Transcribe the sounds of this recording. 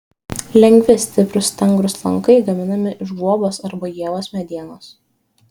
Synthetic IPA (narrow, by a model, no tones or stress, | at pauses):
lʲɛŋʲɡʲʋʲɪsʲt̪ʲɪpɾʊst̪ʲɛŋɡɾʊslˠɐ̰ŋkɐɪɡɐmʲɪnɐmʲɪʔɪʒbuɔboːsɐɾbɐjiɛʋoːsmʲɛd̪ʲiɛnoːs